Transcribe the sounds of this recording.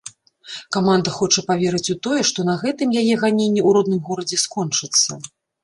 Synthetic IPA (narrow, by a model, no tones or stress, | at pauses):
kamand̪ɐxɔt͡ʂɐpavʲɛɾɨt͡sʲut̪ɔjɛʂt̪ɔnɐɣɛt̪ɨmjajɛɣanʲenʲːiuɾɔd̪̚nɨmɣɔɾɐd͡zʲɛskɔnt͡ʂɨt̪sːɐ̰